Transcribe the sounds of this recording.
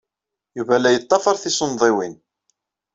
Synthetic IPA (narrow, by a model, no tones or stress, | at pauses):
juvælːæjət̪ˤːɑfɑɾˤθisonðˤiwin